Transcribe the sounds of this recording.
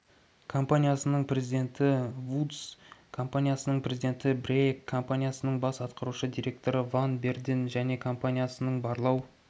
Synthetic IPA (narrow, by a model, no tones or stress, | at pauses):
kʰo̞mpanʲijasənəɴpʰre̞zid̪e̞nt̪ɪvut̪skʰo̞mpanʲijasənəɴprʲe̞zid̪e̞nt̪ɪbrejkʰːo̞mpanʲijasənəɴbɑsɑt̪qɑɾuʃəd̪ijɾʲe̞k̚t̪o̞ɾəvanbe̞rd̪inʒæne̞kʰo̞mpanʲijasənəɴbɑɾlˠɑw